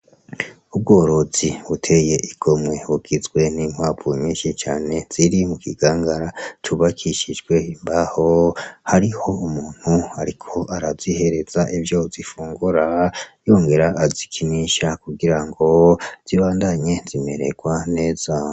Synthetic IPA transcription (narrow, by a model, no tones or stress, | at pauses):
ub̚ɡo̞ːɾo̞ziβutʰe̞je̞ʔiɡ̥o̞mwe̞βuɡ̥izɡwe̞niŋ̥waːvuɲiːnʃit͡ʃaːne̞z̥iɾimukiɡ̥aːŋɡaɾatʰuβakʰiʃid͡ʒɡwe̞imbaho̞haɾiho̞umuːn̥huaɾikʰo̞ʔaɾazihe̞ɾe̞zaʔivjo̞zifuːŋɡuɾajo̞ːŋɡe̞ɾaʔːzikʰiniʃakuɡiɾaŋɡo̞z̥iβaːndaɲe̞zime̞̰ɾe̞̰ɡ̥wane̞ːz̥a